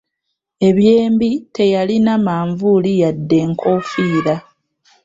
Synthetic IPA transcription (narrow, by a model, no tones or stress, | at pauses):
e̞βje̞ːmbite̞jalinamaːɱvulijadːe̞ːŋkʰo̞fiːɾa